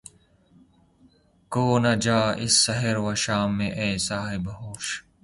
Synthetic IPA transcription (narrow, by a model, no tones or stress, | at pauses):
koːnɐd͡ʒaːʔɪ̰sːɐɦeɾwɐʃaːmːẽʔeːsaːɦebɦoːʃ